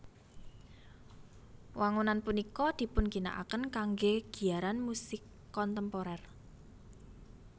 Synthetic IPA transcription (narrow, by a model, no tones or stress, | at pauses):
wʔaŋunanpunikɔd̪̥i̤pʊnɡ̥i̤na̰ʔa̰kənkaŋɡeɡ̥i̤aɾanmusɪkːɔnt̪əmpoɾɛr